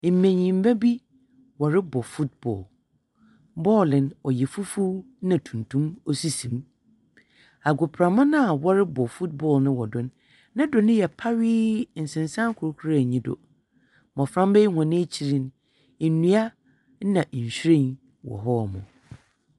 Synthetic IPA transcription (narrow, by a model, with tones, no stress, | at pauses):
m̩˨mẽ˨ɲĩ˨m̩˦ba˦bi˦ | wɔ˨ɾɪ˦bɔ˨fu˦t̚bɔ̰ː˨l | bɔː˦lɪ̃˨nɔ˨jɛ˨fu˦fu˦ | nã˨tʰũ˨ntʰũ˦mo˦si˦sĩ˨m | a˨ɡʊ˨pʰɾa˨mã˦nã˦a˨wɔ˦ɾɪ˦bɔ˨fu˦t̚bɔ˨lnɪ̃˦wɔ˨dʊ̃˦n | nã˦dʊ˨nɪ̃˦jɛ˨pʰa˦ɥɪː˦n̩˨sɪ̃˨nsã˦ŋ˦kʰʊ˨ɾkʰu˦ɾa˦˨ɲĩ˦dʊ̰˨ | mɔ̃˨fɾã˦m˦be˦i˦hɔ̃˨nɪ̃˦t͡ɕʰi˨ɾĩ˨n˨ | nũ˦a˦ | nã˨ʔɲ̩˨ɕᶣɾẽ˦˨n | wɔ̰˨ɦɔ˦˨mʊ̰̃˨